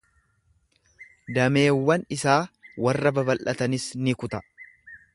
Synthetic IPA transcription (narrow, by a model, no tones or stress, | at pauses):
d̪ɐme̞ːwːɐnɪsaːwɐrːɐbɐbɐlʔɐt̪ɐnɪsnɪkʊt̪ɐ